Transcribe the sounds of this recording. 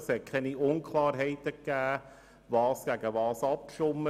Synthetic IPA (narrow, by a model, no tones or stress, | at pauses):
shɛkʰɛniʊnkʰlɑːɾɦɛɪt̪əkːæː | ʋɑːsɡ̥æɡəʋɑːsɑp̚kʃʊmːə